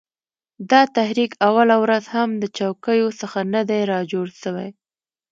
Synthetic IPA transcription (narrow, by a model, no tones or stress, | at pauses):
d̪ɑt̪ahɾikawalawɾazhamd̪ət͡ʃawkəjosəxanad̪ajɾɑd͡ʒoɽʃəwaj